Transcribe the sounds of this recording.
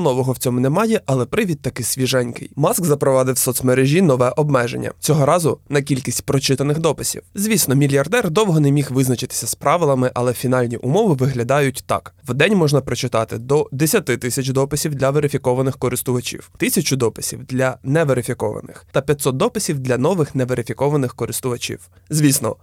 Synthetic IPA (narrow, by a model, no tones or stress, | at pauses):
nɔʋɔɦɔwt͡sʲɔmʊnɛmɑjɛʔɐlˠɛpɾɪʋʲid̪̚t̪ɐkɪsʲʋʲiʒɛnʲkɪ̰jmɑskzɐpɾɔʋɑd̪ɪwsɔt̪smɛɾeʒʲinɔʋɛʔɔbmɛʒḛnʲːɐ̰t͡sʲɔɦɔɾɑzʊnɐkʲilʲkʲisʲtʲpɾɔt͡ʃɪt̪ɐnɪxd̪ɔpɪsʲḭwzʲʋʲisnɔmʲilʲjɐrd̪ɛrd̪ɔwɦɔnɛmʲixʋɪznɐt͡ʃɪt̪ɪ̥sʲɐspɾɑʋɪlˠɐmɪʔɐlˠɛfʲinɑlʲnʲiʔʊmɔʋɪʋɪɦlʲɐd̪ɑjʊtʲt̪ɑ̰kʋd̪ɛnʲmɔʒnɐpɾɔt͡ʃɪt̪ɑt̪ɪd̪ɔd̪esʲɐt̪ɪt̪ɪsʲɐt͡ʃd̪ɔpɪsʲiwd̪lʲɐʋeɾɪfʲikɔʋɐnɪxkɔɾɪst̪ʊʋɐt͡ʃʲḭwt̪ɪsʲɐt͡ʃʊd̪ɔpɪsʲḭwd̪lʲɐnɛʋeɾɪfʲikɔ̰ʋɐ̰nɪ̰xt̪ɐpʲjɐt̪sɔt̪̚d̪ɔpɪsʲiwd̪lʲɐnɔʋɪxnɛʋeɾɪfʲikɔʋɐnɪxkɔɾɪst̪ʊʋɐt͡ʃḭw | zʲʋʲisnɔ̰